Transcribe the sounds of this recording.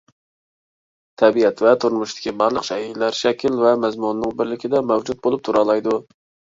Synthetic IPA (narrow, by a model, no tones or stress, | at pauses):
t̪ʰɛbiɛt̪vɛt̪ʰʊɾmʊʃt̪ɪ̥kʲʰibɑɾlˠəqʃɛid̪læɾʃɛkʲʰilvɛmɛzmunːɪŋbɪɾlɪkʲid̪ɛmæwd͡ʒut̪̚bolˠup̚t̪ʰuɾɑlˠɑjd̪u